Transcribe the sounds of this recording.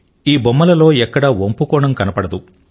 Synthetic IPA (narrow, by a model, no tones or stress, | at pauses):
iːbomːɐlɐlo̞ːɛkːɐɽɐʋompukɔːɳɐmkɐnɐpɐɽɐd̪u